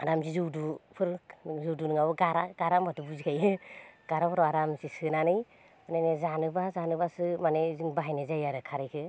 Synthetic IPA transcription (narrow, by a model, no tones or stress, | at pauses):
aɾamzizɯwdupʰɯɾzɯwdunɯŋabɯɡaɾaɡaɾambatubuzikʰajɯɡ̥aɾapʰɾaɾamsisɯnanɯj | anajnezanɯbazanɯbasɯmaneziŋbaɦajnezajaɾɯkʰaɾɯjkʰɯ